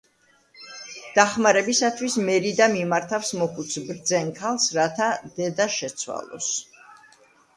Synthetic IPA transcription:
d̪̥aχmaɾɛbisat̪ʰwismɛɾid̪amimaɾt̪ʰafsmɔkʰut̪sʰbɾd̪zɛnkʰalˠsɾat̪ʰad̪̥ɛd̪aʃɛt̪sʰwa̰lˠɔ̰s

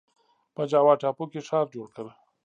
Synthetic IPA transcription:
pəd͡ʒaːwɑːʈapokeʂɑːɾd͡ʒoːɽkəɾ

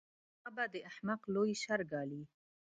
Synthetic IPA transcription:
abad̪eʔaħmaqloiʃaɾɡaːli

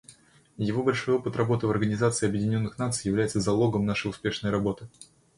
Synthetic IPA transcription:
jɪvo̞bɐlʲʂo̞jo̞pɨt̪rɐbo̞t̪ɨvɐrɡənʲɪzat̪sɨɪɐbjɪdʲɪnʲo̞nːɨxnat̪sɨjːɪvlʲæjɪt̪səzɐlˠo̞ɡəmnaʂəjʊspʲe̞ʂnəjɾɐbo̞t̪ɨ

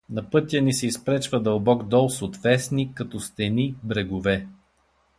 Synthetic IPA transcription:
nɐpɤt̪ʲjənisɛispɾɛt͡ʃvɐd̪əlˠbɔɡd̪ɔlˠsot̪vɛsnikɐt̪ɔst̪ɛnibɾɛɡʊvɛ

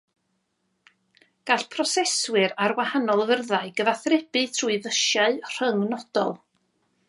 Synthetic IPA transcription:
ɡ̥aɬpʰrɔsɛswɪɾarwahanɔlˠvərðaɨɡəvaθrɛb̥ɨtʰruɨvəʃjaɨr̥əŋnɔd̥ɔ̰lˠ

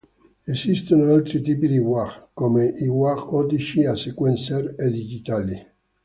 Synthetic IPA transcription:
esist̪onoalt̪ɾit̪iːpid̪iwaχkomeʔiwaʁɔd̪it͡ʃiasekwɛnseɾed̪id͡ʒit̪aːli

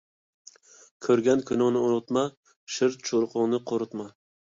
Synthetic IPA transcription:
kʲʰɵɾɡʲankʰʊnoŋnɪʊnʊt̪ma | ʃɪɾt̪̚t͡ʃʰoɾqʰʊŋnɪqʰoɾʊt̪ma

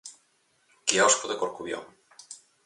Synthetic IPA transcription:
keɔskoðekoɾkuβjɔ̰ŋ

